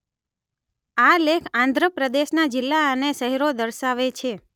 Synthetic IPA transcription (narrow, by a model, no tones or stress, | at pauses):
alekʰãnd̪ʱɾəpɾəd̪eʃnad͡ʒɪlːaəneʃəɦɛɾod̪əɾʃaʋet͡ʃʰe